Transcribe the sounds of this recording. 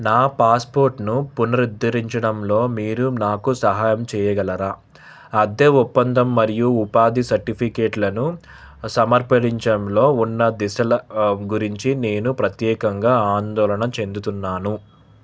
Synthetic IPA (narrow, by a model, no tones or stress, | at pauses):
naːpaːspo̞ːɾʈnupunɐɾid̪ːɐɾiɲt͡ʃɐɽɐmlo̞ːmiːɾunaːkusɐɦaːjɐmt͡ʃɛːjɐɡɐlɐɾaː | ɐd̪eːupːɐnd̪ɐmːɐɾijuːpaːd̪isɐɾʈipʰikeːʈlɐnu | sɐmɐɾpɐɽiɲt͡ʃɐɐmlo̞ːunːɐd̪isɐlɐɡuɾiɲt͡ʃine̞ːnupɾɐt̪jɛːkɐŋɡaːaːnd̪ɔːlɐɳɐmt͡ʃe̞nd̪ut̪unːaːnu